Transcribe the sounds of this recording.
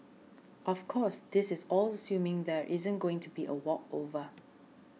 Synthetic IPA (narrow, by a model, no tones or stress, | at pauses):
ʔɔfkʰɔsd̪ɪsɪzɔləsjũmɪ̃ŋðɛɹʔɪzə̃nɡoɪ̃ŋtʰubiʔə̰wɔko̰və